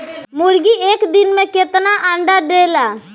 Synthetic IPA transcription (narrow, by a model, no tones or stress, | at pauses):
mʊɽɡiʔeːkd̪ɪnmẽket̪naʔə̃ɳɖaɖeːlaː